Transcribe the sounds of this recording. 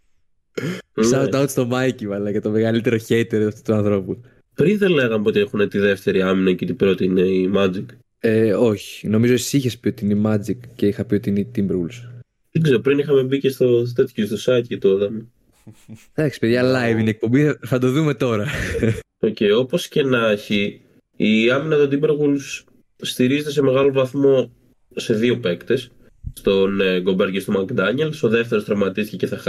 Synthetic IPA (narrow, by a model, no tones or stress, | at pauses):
nsɐuɐut̪st̪o̞mɐicivɐlɐkɐt̪o̞me̞ɣɐlit̪e̞ɾo̞çet̪eɾɐft̪u̥t̪uɐnθɾo̞pu | pɾinðenle̞ɣɐmeo̞t̪iexunet̪iðe̞ft̪e̞ɾiɐminɐcit̪ibɾo̞t̪iineimɐd͡zik | eo̞çi̥no̞mizoessiçespio̞t̪iineimɐd͡zikceixɐpio̞t̪iineit̪imbeɾɣuls | ðeɡzeɾopɾinixɐme̞bicest̪ot̪et̪çust̪osɐjt̪jet̪oðɐmu | d̪ɐksi̥peðʝɐlɐjvinek̚po̞mbiθɐd̪o̞ðume̞t̪o̞ɾɐ | o̞ceio̞po̞sce̞nɐçiː | ɐminɐt̪od̪imbeɾɣulsː | t̪iɾizet̪es̬e̞me̞ɣɐlo̞vɐθmo̞ | se̞ðio̞pe̞kt̪e̞s | st̪o̞nɡo̞beɾʝist̪omɐɡd̪ɐɲelso̞ðe̞ft̪e̞ɾost̪ɾɐvmɐt̪ist̪iceceθɐx